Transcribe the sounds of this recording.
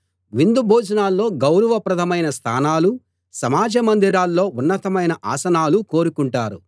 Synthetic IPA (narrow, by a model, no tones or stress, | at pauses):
ʋind̪ubʱoːd͡ʒɐnaːlːo̞ːɡɐwɾɐʋɐpɾɐt̪ʰɐmɐjnɐst̪ʰa̰ːnaːlu | sɐmaːd͡ʒɐmɐnd̪iɾaːlːo̞ːʔunːɐt̪ɐmɐjnɐʔa̰ːsɐnaːluko̞ːɾukuɳʈaːɾṵ